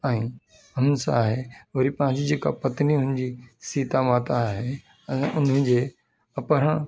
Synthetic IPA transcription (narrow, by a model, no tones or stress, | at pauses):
ɛ̃ː | ʊnsã̰ːɦeʋɐɾipɐ̃ɦɪ̃ɲd͡ʑid͡ʑeːka̰pɐt̪niʊ̃ɪnd͡ʑisiːt̪amaːt̪aɦe | ɛ̃ːʔʊnə̃d͡ʑeː | ɐpəɾ̤ã